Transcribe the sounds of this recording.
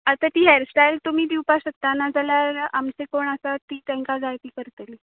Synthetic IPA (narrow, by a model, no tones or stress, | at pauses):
at̪at̪iːɦeɾsʈajlt̪um̤iːd̪iwpaɕək̚t̪anad͡zaljaɾamsekoɳasat̪iːt̪ãŋkad͡zajt̪iːkəɾt̪əli